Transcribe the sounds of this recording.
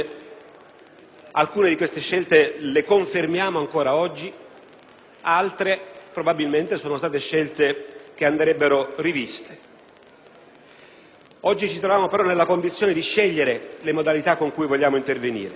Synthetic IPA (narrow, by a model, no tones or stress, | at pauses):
alkuːned̪ikwest̪eʃːɛlt̪elekoɱfermjaːmoaŋkoːɾaɔd͡ʒːi | alt̪ɾepɾobabilment̪esoːnost̪aːt̪eʃːɛlt̪ek̟eand̪ɾɛbːeɾorivist̪e̥ | ɔd͡ʒːit͡ʃit̪ɾovjaːmopeɾɔnːelːakond̪it̪sjoːned̪iʃːɛʎːeɾelemod̪alit̪akːoŋkujvoʎːaːmoint̪ervenḭːɾe